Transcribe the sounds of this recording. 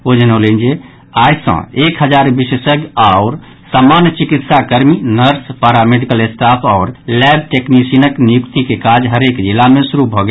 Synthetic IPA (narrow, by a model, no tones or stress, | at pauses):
od͡ʒənolind͡ʒe | ajsə̰̃ekɦəd͡ʒaɾbisəsəɡaʊɾ | samanjət͡ʃikit̪sakəɾminəɾspaɾameɖikəlest̪apʰaʊɾlɛb̚ʈeknisinəknijukt̪ikekad͡ʒɦəɾekd͡ʒilːamesuɾubʱɔɡe